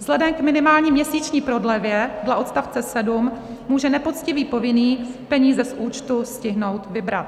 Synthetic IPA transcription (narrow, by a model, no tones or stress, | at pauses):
z̥lɛdɛmkmɪnɪmaːlɲiːmɲɛsiːt͡ʃɲiːpɾo̞dlɛvjɛdlaʔot̪st̪aft͡sɛsɛdum | muːʒɛnɛpo̞t̪t͡scɪviːpo̞vɪniːpɛɲiːzɛsʔuːt͡ʃt̪uscɪɦno̞wt̪vɪbɾa̰t̪